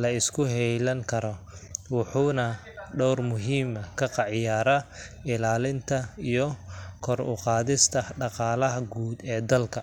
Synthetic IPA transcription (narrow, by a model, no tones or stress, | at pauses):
lɐɪskʰʊɦɛjlɐŋkʰɐɾɔwʊħuːnɐ | ɖɔwrmʊɦiːmɐkʰɐqɑʕjaːɾɐɪlaːlɪnt̪ʰɐijɞkʰɔɾʊ̰qɑːðɪst̪ʰɐɖɑqɑːlɐɦɐɡuːd̪ɛːd̪ɐlkʰɐ